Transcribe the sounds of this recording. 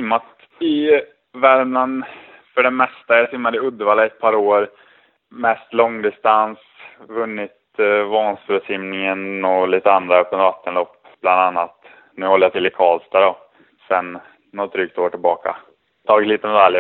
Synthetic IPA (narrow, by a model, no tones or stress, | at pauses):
ɪmːat̪ | ɪ | vɛɾmnən | fœɖɛmɛst̪ajasɪmːad̪ɪɵd̪ːəvaːlaɛt̪̚pʰɑːɾoːɾ | mɛst̪lɔŋːd̪ɪst̪ans | vɵnːɪt̪vɑːnsfʉsɪmnɪŋənɔliːt̪əand̪ɾaœpːənt̪vat̪ːənlɔpː | b̥land̪anːat̪ | nʉ̟ːhɔlːəjat̪ʰɪlːɪkʰɑːlsd̪æɖɔ | sɛnː | ɔt̪̚d̪ɾyːk̚t̪ʰoːʈʰɪlbɑːka̰ | t̪ʰɑːɡɪt̪liːt̪əmɛd̪alj